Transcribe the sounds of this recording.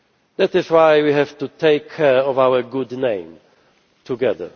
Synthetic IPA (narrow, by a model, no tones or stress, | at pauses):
ðætɪzwajwiɦɛv̥tutʰeɪkʰːɛɹɔvawə˞ɡʊdnẽɪ̃m | tʰuɡɛðə̰˞